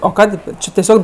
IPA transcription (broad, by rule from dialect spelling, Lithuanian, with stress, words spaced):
oː ˈkɑːdʲeː ˈt͡ʃʲɪ tʲɛˈsʲoːk